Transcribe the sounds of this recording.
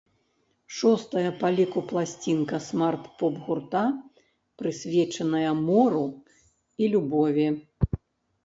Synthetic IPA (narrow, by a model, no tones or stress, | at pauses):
ʂɔst̪ɐjɐpalʲikuplˠasʲt͡sʲinkɐsmart̪pɔbɣurt̪a | pɾɨsʲvʲɛt͡ʂɐnɐjɐmɔɾu | ilʲubɔvʲi